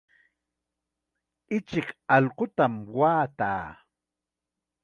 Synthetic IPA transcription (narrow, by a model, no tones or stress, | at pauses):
ɪt͡ʃɪkɑʎqot̪amwaːt̪a̰ː